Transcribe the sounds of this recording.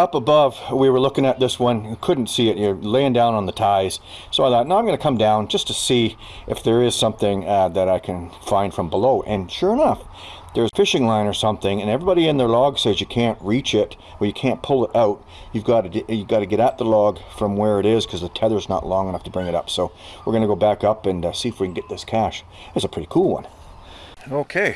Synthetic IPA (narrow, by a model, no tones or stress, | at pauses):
ʌpəbʌvwiwə˞lʊkɪ̃ŋɨt̪̚ðɪswʌ̃nkʰʊdⁿn̩tsiɨtəleɪɪ̃ŋdãʊ̃nə̃nðətʰaɪz̥ | soʊlæt̚naʊãɪmɡʌ̃nɨkʰʌ̃mdãʊ̃nd͡ʒʌstʰɨsi | ʔɨfðə˞ɪz̥sʌ̃mθɪ̃ŋðɨɾaɪkʰɨ̃nfãɪ̃nd̥fɹʌ̃mbəloʊʔɨ̃nʃʊɹɨnʌf | ðə˞z̥fɪʃɪ̃ŋlãɪ̃nə˞sʌ̃mθɪ̃ŋɨ̃nɛvɹibɑɾiɨ̃nðə˞lɔɡsɛzjɨkʰæ̃nʔɹit͡ʃɪɾ | ə˞jɨkʰæ̃npʰʊlˠəɾʔaʊt̚ | jʉvɡɑɾɨjɨvɡɑɾɨɡɛɾaʊt̪̚ðəlɔɡ̥fɹʌ̃mwə˞ɨɾɪz̥kʰʌzðɨtʰɛðə˞znə̰ʔˡlɔ̃ŋənʌftʰəbɹɪ̃ŋɨɾʌ̰psoʊwɨɹɡʌñɨɡoʊbækʌpɨ̃nsiɨfwikn̩ɡɛt̪̚ðɪskʰæʃ | ɨtsɨpʰɹ̥ɪɾikʰulˠwʌ̰̃n | oʊkʰeɪ